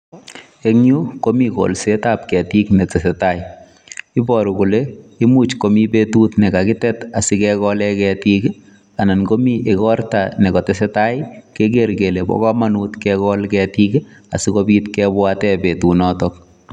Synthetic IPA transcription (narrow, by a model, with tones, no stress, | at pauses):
e˦ŋɲu˦ko˦miko̰˨lsetap̚kɛ˨ti˦knɛ˨tɛ˨sɛtaɪ | ɪ˦bɔɾu˨ku˨leɪ˦mu˦t͡ʃko˨mi˦pe˦tu˦tnɛ˨kakɪ˦tɛ˦ta˨sɪ˦kɛkɔlɛkɛti˦k | a˨na˨nko˦mi˦ʔekɔ˦rta˨nɛ˨kɔ˨tɛs̬ɛ˦taɪke˦k̬eɾɡe˨le˨bɔ̰kɔ˦manutkɛkɔlkɛtika̰˨sɪ˦kɔbi˦tkɛbwatɛbe˨tu˨nɔtɔk̚